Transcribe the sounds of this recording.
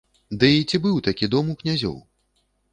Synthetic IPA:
d̪ɨit͡sʲibɨwt̪akʲid̪ɔmuknʲazʲɔ̰w

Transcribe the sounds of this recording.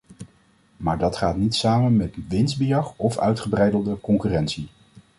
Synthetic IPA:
maːɹdɑtχaːtnitsaːmənmɛtʋɪnzbijɑχɔfœ̰ɥtχəbrɛjdəlˠdəkɔŋkyːrɛntsi

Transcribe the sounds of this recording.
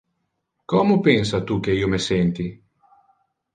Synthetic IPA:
kɔmopensat̪ukeiːomesent̪i

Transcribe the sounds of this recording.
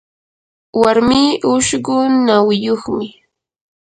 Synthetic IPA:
waɾmiːʔʊʃɢʊnawɪjoχmɪ

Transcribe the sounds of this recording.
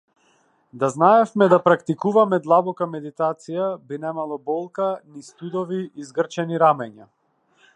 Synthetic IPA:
d̪aznaɛfmɛd̪apɾakt̪ikuvamɛd̪lˠabɔkamɛd̪it̪at̪sijabinɛmalˠɔbɔlˠkanist̪ud̪ɔviːzɡr̩t͡ʃɛniɾamɛɲa

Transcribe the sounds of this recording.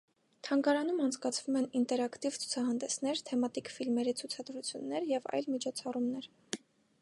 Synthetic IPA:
t̪ʰɑŋɡɑɾɑn̪umɑnt͡sʰkɑt͡sʰvumɛnint̪ɛɾɑkt̪ivt͡sʰu̥t͡sʰɑɦɑnd̪ɛsn̪ɛɾt̪ʰɛmɑt̪ikfilmɛɾit͡sʰut͡sʰɑd̪ɾut͡sʰjunːɛɾjɛvɑ̰jlmit͡ʃʰɔt͡sʰɑrumnɛɾ

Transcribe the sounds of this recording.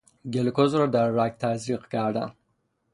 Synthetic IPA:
ɡelkozɾod̪aːak̚t̪ʰazɾiqkaːɖa̰

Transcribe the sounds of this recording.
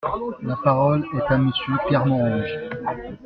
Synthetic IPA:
lapaʁɔlɛt̪aməsjøklɛʁmɑ̃ɔ̃ʒ

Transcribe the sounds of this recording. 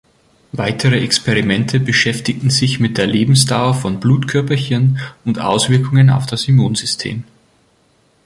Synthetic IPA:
vaɪtʰəʁəʔɛkspʰeʁimɛntʰəbəʃɛftɪtn̩zɪçmɪt̚d̥eːɐleːbm̩sd̥aʊɐfɔnbluːtkʰœɐpɐçənʊntʔa̰ʊsv̥ɪɐkʊŋəna̰ʊfd̥asymuːnzʏstʰḛːm

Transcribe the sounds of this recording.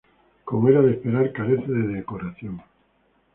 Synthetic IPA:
komoeɾaðespeɾaɾkaɾeθeðeðekoɾaθjoŋ

